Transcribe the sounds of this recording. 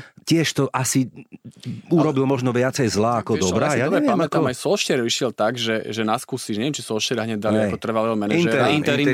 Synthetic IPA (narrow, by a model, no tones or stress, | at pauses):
cɪɛʃt̪ɔʔasi | uɾɔbilmɔʒnɔʋɪat͡sɛjzlaːakɔd̪ɔbɾaːjaɛamɛt̪aɔmajsɔlʃɛɾʋiʃɪɛlt̪aɡʒɛʒɛnaskusiʃɲɛʋjɛmt͡ʃisɔlʃɛɾaɦɲɛd̚d̪aliɛakɔt̪r̩ʋalɛɦɔmɛninɛɛɾn